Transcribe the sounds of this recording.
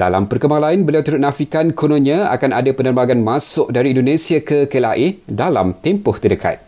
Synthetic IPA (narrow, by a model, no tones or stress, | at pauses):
d̥a̰la̰mpərkəmbaŋlainbəliawt̪uɾʊt̪̚nãfikankʰonõnãa̰kanadapənərbaɡanmãsʊk̚daɾiːndonesiakəkəla̰ʔedala̰mt̪ɛmpʊht̪ərdəkʰa̰t̪̚